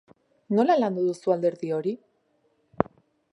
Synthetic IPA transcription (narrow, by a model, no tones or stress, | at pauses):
no̞laland̪oðusuald̪e̞ɾðio̞ɾi